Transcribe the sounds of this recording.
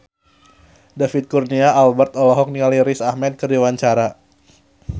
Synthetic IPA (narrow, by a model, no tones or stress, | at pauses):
dafit̪̚kurniaːlbərt̪ɔlɔɦɔk̚niŋaliɾisahmɛt̪̚kərdiwaɲt͡ʃaɾa